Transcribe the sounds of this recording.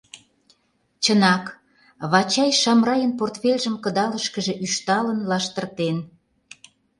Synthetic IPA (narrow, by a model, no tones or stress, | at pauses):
t͡ɕə̆nɑk | βɑt͡ɕɑjʃɑmrɑjənport̪fʲelʲʒə̆mkə̆d̪ɑləʃkə̆ʒĕʔyʃt̪ɑlə̆nlɑʃt̪ə̆rt̪en